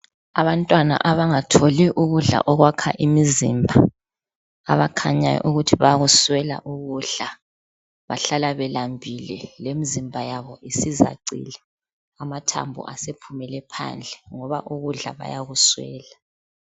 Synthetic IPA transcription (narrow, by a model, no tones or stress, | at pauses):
aβantʼwana̰ʔaβaŋatʰoliʔuɣuɮa̰ʔɔɣwakʰaʔimizḭmbʱaː | βakʰaɲajɔ̰ʔuɣutʰiβajaɣuswɛla̰ʔuɣuɮa | βa̰ɬalaβɛlambʱilɛ̰lemizimbʱajaβɔisiza̰ǀḭlɛ | amatʰa̰mbʱṵʔasepʰumɛlɛpʰa̰nd͡ɮʱɛŋɔβa̰ʔuɣuɮa̰βa̰jaɣuswɛ̰ːla